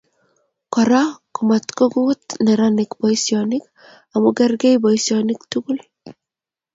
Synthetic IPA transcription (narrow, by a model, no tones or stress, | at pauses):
kɔɾakumat̪koɡuːt̪nɛɾanɪkbɔjsjɔnɪk | amuɡɛrɡejbɔjsjɔnɪkt̪uɡul